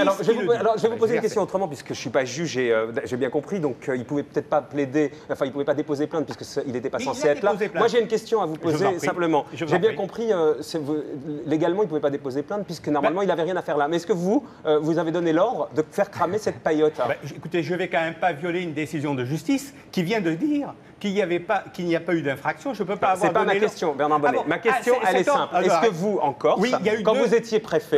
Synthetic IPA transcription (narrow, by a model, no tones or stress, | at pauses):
alɔʁʒəvɛvupalɔʁʒəvɛvupozeinkʲɛst̪jɔ̃ot̪χəmɑ̃p̬ɥiskəʒəsɥipaʒyʒeød̪aʒebjɛ̃kɔ̃pχid̪ɔ̃kʰəilpuvɛpø̥t̪ɛt̪̚χpapled̪e | ɑ̃fɛ̃ilpuvɛpad̪epozeplɛ̃t̪̚pɥiskəsilet̪ɛpasɑ̃seaɛt̪lamwaʒeynkʲɛst̪jɔ̃avuppozzesɛ̃pləmɑ̃ʒʒebjɛ̃kɔ̃pχiøsəvuleɡalmɑ̃ilpuvɛpad̪epozeplɛ̃t̪̚pɥiskənɔʁmalmɑ̃ilavɛʁjɛ̃nafɛʁlamɛɛskəvuøvuzaved̪ɔnelɔʁd̪ʁəd̪əfɛʁkχamesɛt̪̚pajɔt̪bɛekut̪eʒəvɛkɑ̃mɛmpavjɔleynd̪esizjɔ̃d̪əʒyst̪is | kʲivjɛ̃d̪əd̪iʁ | kiljavɛpakilnijapayd̪ɛ̃fχaksjɔ̃ʒəpøpaːvswɛʁpamakɛst̪jɔ̃mɛʁnaʁbɔnmakʲɛsjɔ̃ɛlɛsɛ̃plɛskəvuɑ̃kɔʁwijaykɑ̃vuzet̪jepχefɛ